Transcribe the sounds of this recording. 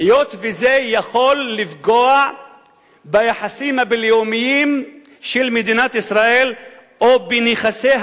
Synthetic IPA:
jot̪vezejaχo̞lːifɡoa | bajaħasimhabileomijim | ʃelmed̪inat̪isʁaʔelʔobeniχase

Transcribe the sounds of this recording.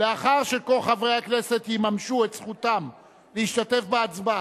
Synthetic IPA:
leaχaʁʃe̞ko̞lχavʁe̞hakne̞se̞t̪jimamʃuet̪sχut̪am | leiʃt̪at̪e̞fbeat͡sba

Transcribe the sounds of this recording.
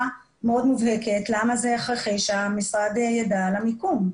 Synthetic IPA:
meo̞d̪muvheketlamazeaχʁaχejʃeamisʁad̪ejadalamikum

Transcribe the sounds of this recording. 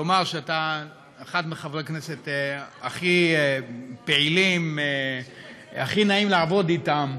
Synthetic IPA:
lomaʁʃeataː | χad̪meχavʁekneseteaχi | peʕilime | aχinaimlaavo̞ditam

